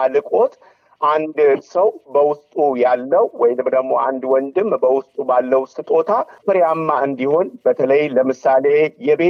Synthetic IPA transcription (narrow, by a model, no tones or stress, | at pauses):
alɨkʼo̞t̪ | ʔand̪səwbəwʊst̪ʼujalːəwwɔjnɨmd̪əɡmo̞ʔand̪wɔnd̪ɨmbəwʊst̪ʼubalːəwst̪ʼt̪ʼo̞t̪ʰafɨɾjamːaɨnd̪iho̞nbət̪ʰələjləmɨsale̞jɛbe